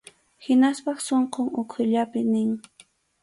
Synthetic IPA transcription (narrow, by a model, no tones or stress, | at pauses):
hɪnaspɑχsoɴqoŋʊkʰʊʎapɪnɪŋ